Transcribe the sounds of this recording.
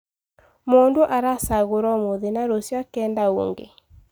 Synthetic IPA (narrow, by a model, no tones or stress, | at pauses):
mondoʔaɾasaɣoɾɔmoðenaɾosjakɛːndao̰ŋɡḛ